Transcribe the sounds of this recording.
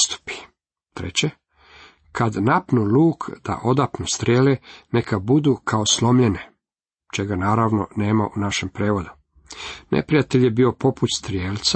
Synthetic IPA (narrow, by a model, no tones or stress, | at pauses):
st̪u̥pi̥ | t̪ɾḛt͡ɕe | kʰad̪napnuluːkʰd̪̥a̰ʔo̞d̪apnust̪ɾʲjeːlenekʰabud̪uːkʰaoslˠo̞mʎe̞ne̞ | t͡ʃe̞ɡanaːɾaʋno̰ne̞ːmaʔunaʃempɾeːʋod̪u | nʔḛpɾijat̪eʎjebio̞po̞put̪st̪ɾjeːlt̪sa